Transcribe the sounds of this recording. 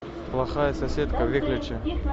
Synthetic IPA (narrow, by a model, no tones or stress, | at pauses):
plˠɐxajəsɐsʲet̪kəvʲeklʲɪt͡ʃɪ